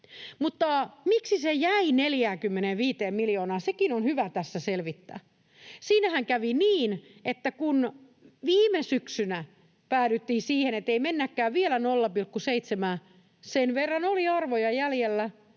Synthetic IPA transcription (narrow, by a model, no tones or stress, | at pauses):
mut̪ːɑmiksisejæineljæːkymːeneʋiːt̪eːmmiljoːnɑːsekinonhyʋæt̪æsːæselʋit̪ːæ̰ː | siːnæhæŋkæʋiniːnʔet̪ːækun | ʋiːmesyksynæ | pæːɾyt̪ːihːsiːhenet̪ːeimenːækːæːʋʋielænolːɑpilkːuseit̪semæː | senʋerːɑnoliɑrʋojɑjæljelːæ